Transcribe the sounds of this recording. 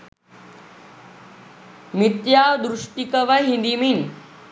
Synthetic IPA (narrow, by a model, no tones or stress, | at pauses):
mit̪jaːʋd̪ɾuʂʈikəʋɐɦind̪imin